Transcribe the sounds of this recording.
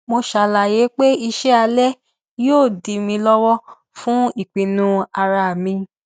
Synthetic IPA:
mo˧ʃa˨la˨je˨˦k͡pe˦i˧ʃɛ˦a˧lɛ˦ | joː˦˨di˨mĩ˧lɔ˦wɔ˦ | fũ˦i˦˨k͡pĩ˨nũ˨˧a˧ɾa˧˨mĩ˧

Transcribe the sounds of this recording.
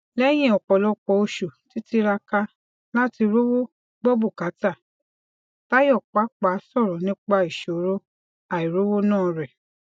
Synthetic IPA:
lɛ˦j̃ɛ̃˦˨ɔ˨k͡pɔ˨lɔ˧k͡pɔ˧˨o˧ʃo˨ti˨˦ti˧ɾa˧ka˧ | la˦ti˧ɾo˦wo˦ | ɡ͡bɔ˦bu˦˨ka˨˦ta˦˨ | ta˦jɔ˦˨k͡pa˨˦k͡pa˨˦sɔ˦˨ɾɔ˨nĩ˦k͡pa˧i˨ʃo˨˦ɾo˦ | a˨i˨ɾo˦wo˦nãː˦˨ɾɛ˨

